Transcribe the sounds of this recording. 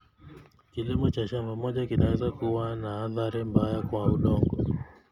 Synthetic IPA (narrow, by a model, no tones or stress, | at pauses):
kilimɔt͡ʃat͡ʃamamɔʄakinawɛzakuwanaːθaɾimbajakwauɗɔŋɡɔ̰